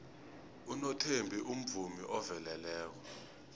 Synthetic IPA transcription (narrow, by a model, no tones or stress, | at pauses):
unɔtʰembʱiʔum̩vumiʔɔvɛlɛlɛːk̬ɔ